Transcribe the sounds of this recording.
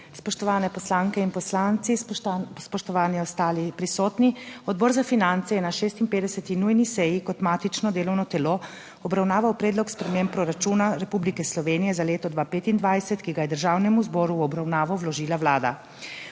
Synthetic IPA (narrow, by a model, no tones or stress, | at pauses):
spɔʃt̪ɔʋaːnɛpɔslaːŋkɛinpɔslaːnt̪sispɔʃt̪ɔʋaːniɔst̪aːlipɾisɔːt̪niɔd̪̚bɔːɾzafinant̪sɛjɛnaʃeːst̪impeːd̪ɛsɛt̪inujnisɛjikɔt̪maːt̪it͡ʃnɔd̪eːlɔwnɔt̪ɛlo | ɔbɾawnaːʋawpɾeːd̪lɔkspɾɛmempɾɔɾat͡ʃuːnaɾɛpublikɛslɔʋeːnijɛzaleːt̪ɔd̪ʋaːpeːt̪ind̪ʋajsɛt̪kiɡajɛd̪əɾʒaːwnɛmuzbɔːɾuɔbɾawnaːʋɔwlɔʒiːlawlaːd̪a̰